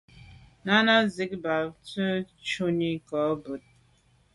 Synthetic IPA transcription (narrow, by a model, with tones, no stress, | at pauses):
na˦na˦zi˦k̚ba˨tə˦t͡ʃu˦ɲi˦kɔ˨˦bu˨t̚